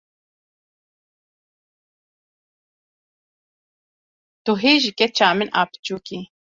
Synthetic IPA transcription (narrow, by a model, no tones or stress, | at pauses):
t̪uɦiːʒikɛt͡ʃʰaːmɪnʔa̰ːpt͡ʃuːki